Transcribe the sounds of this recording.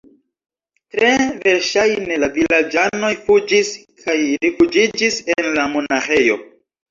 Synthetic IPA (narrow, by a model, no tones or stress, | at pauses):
tɾe̞ve̞ɾʃajne̞lavilad͡ʒano̞fud͡ʒiskʰajɾifud͡ʒid͡ʒisenlamo̞naxe̞jo̞̰